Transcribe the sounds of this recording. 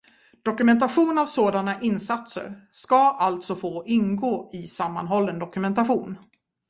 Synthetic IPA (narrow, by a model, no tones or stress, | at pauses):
d̪̥ɔkɵmɛnt̪aɧuːnavsoːd̪anaʔɪnsat̪sə̰ɾʂkaʔalt̪sɔfoːʔɪnɡoːɪsamːa̰nɦɔlːənd̪ɔkɵmɛnt̪aɧuːn